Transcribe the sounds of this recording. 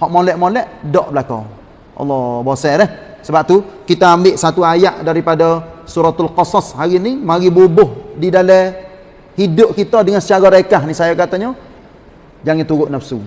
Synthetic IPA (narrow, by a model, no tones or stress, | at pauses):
hɔʔmolɛʔmolɛʔdɔʔbəlakɔ̰ | ʔɑ̰lːɔbosɛɾɛh | səbap̚t̪ukit̪aambɪʔsat̪uajaʔdaɾipadasuɾat̪alqɑsɔshaɾinimaɡibubʊhdidalɛ | hidʊʔ̚kit̪ədəŋansət͡ʃaɡɔɾaikahnisajakat̪aɲə | d͡ʒaŋɪt̪uɣʊʔnafsṵ